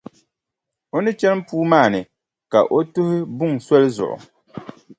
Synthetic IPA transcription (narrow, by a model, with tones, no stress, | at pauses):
o˦nɨ˦t͡ʃɛ˦lm̩˦puː˦maː˦˨nɨ˨ | ka˨ʔo˦tʊ˦hɪ˦bʊ˦ŋsɔ˦lzʊ̰˨ʔʊ̰˨